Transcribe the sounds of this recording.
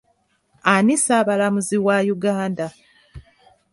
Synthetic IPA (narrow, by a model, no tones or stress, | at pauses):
anisaːβalamuziwajuɡaːnda